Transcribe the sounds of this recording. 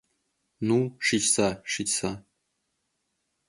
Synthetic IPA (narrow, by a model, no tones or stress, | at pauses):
nuʂit͡ɕsaʂit͡ɕsa